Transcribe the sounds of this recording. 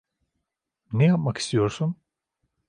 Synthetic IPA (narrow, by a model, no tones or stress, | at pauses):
nɛjap̚maki̥st̪ʰijo̞ɾsun